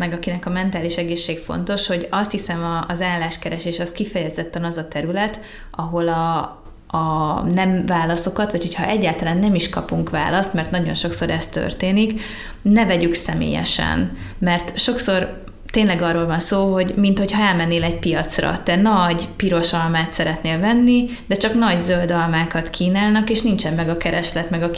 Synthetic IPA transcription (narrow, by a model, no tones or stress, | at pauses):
mɛɡɒkinɛkɒmɛnt̪aːliʃɛɡeːʃːeːɡfo̞̰nt̪o̞ʃho̞ɟɒst̪hisɛmɒːzaːlːaːʃkɛɾɛʃeːʃɒskifɛjɛzɛt̪ːɛnɒzɒt̪ɛɾylɛt̪ | ʔɒɦo̞lɒː | nɛɱvaːlɒso̞kɒt̪ʋɒchocʰhɒ̰ʔɛɟːaːlt̪ɒlaːnːɛmiʃkɒpuŋkʋa̰ːlɒst̪mɛrt̪nɒɟo̞̰nʃo̞kso̞ɾɛst̪ø̰rt̪eːnik | nɛvɛɟyksɛmḛːjɛ̰ʃɛ̰n | mɛrt̪ʃo̞kso̞r | t̪eːnlɛɡɒroːlvɒnsoːɦo̞ɟmint̪ho̞cʰhɒɛlmɛnːeːlɛɟ̚pijɒt̪srɒ̰t̪ɛnɒɟpiɾo̞ʃɒlmaːt̪sɛɾɛt̪neːlvɛnːi | d̪ɛt͡ʃɒknɒɟzøld̪ɒlmaːkɒt̪kʰiːnaːlnɒkeːʃnint͡ʃɛmːmɛɡɒkɛɾɛʃlɛt̪mɛɡɒ